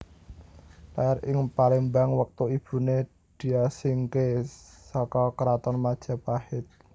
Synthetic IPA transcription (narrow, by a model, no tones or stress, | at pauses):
laarɪŋpalimbaŋwək̚t̪uib̥ṳne | d̪̥i̤asɪŋkesɔkɔkəɾat̪ɔnmad̥ʒ̥a̤pahɪt̪̚